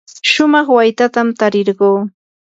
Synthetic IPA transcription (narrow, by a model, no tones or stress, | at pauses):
ʃʊmɑχwajt̪at̪amt̪aɾɪɾɢoː